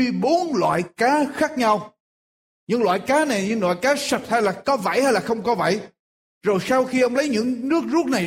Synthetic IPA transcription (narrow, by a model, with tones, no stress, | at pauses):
ɓo˨˦nlwa̰ː˧˨jkaː˨˦xaː˦˥k̚ɲa˧w | ɲɨ̰˧˥ŋlwa̰ː˧˨jkaː˨˦na˨˩jɲɨ̰˧˥ŋlwa̰ː˧˨jkaː˨˦sa˨˩t̚haː˧jlaː˨˩kɔ˨˦va̰˧˥˩jhaː˧jlaː˨˩xə˧wŋ͡mkɔ˨˦və̰˧˩j | zo˨˩jsaː˧wxi˧ʔə˧wŋ͡mlə˨˦jɲɨ̰˧˥ŋnɨ˦˥ək̚zu˦˥ək̚na˨˩